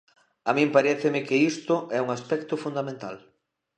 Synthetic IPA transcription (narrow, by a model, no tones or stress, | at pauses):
amĩmpaɾɛθɪmɪkɪist̪ʊʔɛuŋaspɛkt̪ʊfund̪amẽnt̪a̰l